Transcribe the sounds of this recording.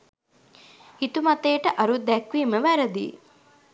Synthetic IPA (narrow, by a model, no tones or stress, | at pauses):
hit̪umɐt̪eːʈəʔɐɾud̪ækʋiːməʋæɾəd̪ḭː